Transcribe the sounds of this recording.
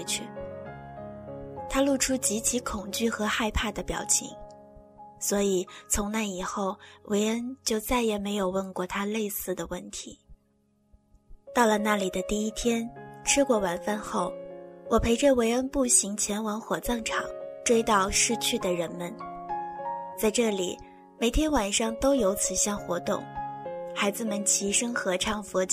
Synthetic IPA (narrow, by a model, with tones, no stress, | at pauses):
t͡ɕʰy˥˩ | t̪ʰa˥lu˥˩ʈ͡ʂʰu˥t͡ɕi˧˥t͡ɕʰi˧˥kʰʊ˨˩ŋt͡ɕy˥˩xɤ˧˥xa˥˧ɪpʰa˥˩d̪ə˩pjɑ̰˨˩ʊt͡ɕʰḭ˧˥ŋ | swɔ˧˥i˨˩t͡sʰʊ˧˥ŋna˥˩ɪi˨˩xo˥˩ʊwʔe˧˥ɪə˥nt͡ɕjo˥˧ʊt͡sa˥˩ɪjɛ˨˩me˧˥ɪjo˨˩ʊwə˥˧nkwɔ˥˩t̪ʰa˥le˥˧ɪsɹ̩˥˩d̪ə˩wə˥˩nt̪ʰi˧˥ | t̪ɑ˥˩ʊlə˩na˥˩li˨˩d̪ə˦t̪i˥˩i˥t̪ʰjɛ˥nʈ͡ʂʰɻ̩˥kwɔ˥˩wa˧˥˩nfa˥˧nxo˥˩ʊwʔɔ˨˩pʰe˧˥ɪʈ͡ʂɤ˥˩we˧˥ɪə˥npu˥˩ɕi˧˥ŋt͡ɕʰjɛ˧˥nwɑ˧˥ŋxwɔ˨˩t͡sɑ˥˩ŋʈ͡ʂʰɑ̰˨˩˦ŋʈ͡ʂwe˥ɪt̪ɑ˥˧ʊʂɻ̩˥˧t͡ɕʰy˥˩d̪ə˩ɻə˧˥nmə˧n | t͡sa˥˧ɪʈ͡ʂɤ˥˩lḭ˨˩ | me˨˩ɪt̪ʰjɛ˥nwa˨˩nʂɑ˥˧ŋt̪o˥ʊjo˧˥ʊt͡sʰɹ̩˨˩ɕjɑ˥˧ŋxwɔ˧˥t̪ʊ̰˥˩ŋxa˧˥ɪd͡zɹ̩˧˩mə˨nt͡ɕʰi˧˥ʂə˥ŋxɤ˧˥ʈ͡ʂʰɑ˥˩ŋfɔ˧˥t͡ɕ